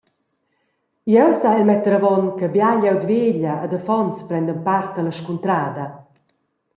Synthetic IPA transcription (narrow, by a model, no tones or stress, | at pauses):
iɛwsaɛlmɛt̪əɾavɔnkəbjaʎɛwd̪veːʎəːd̪əfɔnt͡spɾɛnd̪ənpaɾt̪ələʃkunt̪ɾaːd̪ɐ